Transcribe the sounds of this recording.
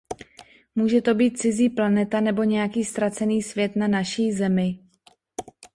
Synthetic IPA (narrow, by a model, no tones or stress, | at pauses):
muːʒɛt̪o̞biːt̪̚t͡sɪziːplanɛt̪anɛbo̞ɲɛjakiːst̪ɾat͡sɛniːsvjɛt̪nanaʃiːzɛmɪ